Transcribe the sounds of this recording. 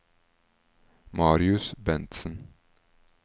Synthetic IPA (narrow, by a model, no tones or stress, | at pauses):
mɑːɾɪʉsbɛnt̪sən